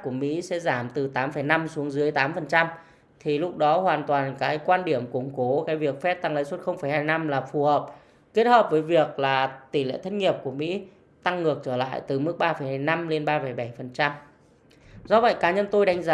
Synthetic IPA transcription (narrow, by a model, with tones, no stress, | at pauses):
ku˧˩əmḭ˧˥sɛ̰˧˥zaː˧˩mt̪ɨ˨˩t̪aː˨˦mfə˧˩jna˧msu˨˦əŋzɨ˨˦əjt̪aː˨˦mfə˨˩nt͡ɕa˧m | t̪ʰi˨˩lʊ˦˥k͡p̚ɗɔ˨˦hwaː˨˩nt̪waː˨˩nkaː˨˦jkwaː˧nɗi˧˩əmkʊ̰˧˩ŋ͡mko˨˦kaː˨˦jvi˨˩ək̚fɛ˦˥p̚t̪a˧ŋlə̰˧˥jswə˦˥t̚xə˧wŋ͡mfə˧˩jhaː˧jna˧mlaː˨˩fu˨˩həː˨˩p̚ | ke˦˥t̚həː˨˩p̚vəː˨˦jvi˨˩ək̚laː˨˩t̪i˧˩lḛ˧˨t̪ʰt̚ŋi˨˩əp̚ku˧˩əmḭ˧˥ | t̪a˧ŋːɨ˨˩ək̚t͡ɕəː˧˩la̰ː˧˨jt̪ɨ˨˩mɨ˦˥k̚ɓaː˧fə˨˩jhaː˧jna˧mle˧nɓaː˧fə˧˩jɓa˧˩jfə˨˩nt͡ɕa˧m | zɔ˧və̰˧˨jkaː˨˦ɲə˧nt̪o˧jɗa˨˧jŋ̟zaː˨˦